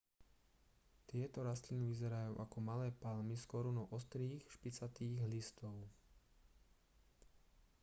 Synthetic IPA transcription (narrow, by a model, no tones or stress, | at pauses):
t̪ɪɛt̪ɔɾast̪liniʋizɛɾajṵːʔakɔmalɛːpalmiskɔɾunɔʔɔst̪ɾiːxʃpit͡sat̪iːɣɦlist̪ɔʊ